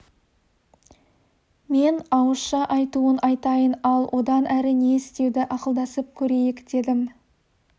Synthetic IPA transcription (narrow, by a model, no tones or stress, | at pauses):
me̞nɑwəsʃɑʔɑjt̪uənʔɑjt̪ɑjənɑlˠwʔo̞d̪ɑnʔæɾɪneɪst̪e̞wd̪ɪʔɑqəlˠd̪ɑsəp̚kʲʰɵɾe̞jɪkd̪̥e̞d̪ɪm